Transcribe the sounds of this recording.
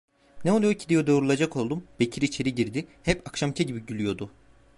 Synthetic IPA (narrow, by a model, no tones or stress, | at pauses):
nɛolˠujocʰid̪ijod̪o̞ːɾulˠad͡ʒakʰo̞lˠd̪umb̥e̞cʰiɾiːt͡ʃʰe̞ɾiɟiɾd̪ihɛpakʃamcʰɛɟibiɟylʲyjo̞d̪ʊ